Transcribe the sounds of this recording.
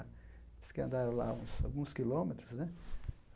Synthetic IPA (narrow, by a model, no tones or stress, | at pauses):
skɪɐ̃nd̪aɾɐ̃la̰ũsa̰wɡũskilomet̪ɾʊsnɛ